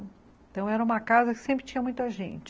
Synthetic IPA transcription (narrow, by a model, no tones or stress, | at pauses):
ẽt̪ɐ̃w̃ɛɾɐũmɐkazɐkɪ̥sẽmpɾɪ̥t͡ʃĩɲɐmũj̃t̪ɐʒḛ̃nt͡ʃɪ